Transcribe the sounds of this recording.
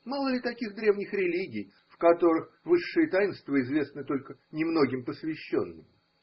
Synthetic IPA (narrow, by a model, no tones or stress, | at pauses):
malˠəlʲɪt̪ɐkʲiɣd̪ɾʲe̞vnʲɪxɾʲɪlʲiɡʲɪj | fkɐt̪o̞ɾɨx | vɨʂːɨjət̪ajɪnst̪vəɪzvʲe̞snɨt̪o̞lʲkənʲɪmno̞ɡʲɪmpəsvʲɪɕːo̞̰nːɨmʲ